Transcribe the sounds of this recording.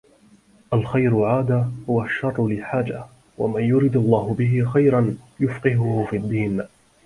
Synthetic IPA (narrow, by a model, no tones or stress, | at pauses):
ʔalxajɾʊʕaːd̪aːhʊwaʃːɑrˤːʊlɪħaːd͡ʒa | wa̰manjʊɾɪd̪alˤːɑːɦʊbɪɦɪxajɾanjʊfqɪɦʊhʊfiad̪ːiːn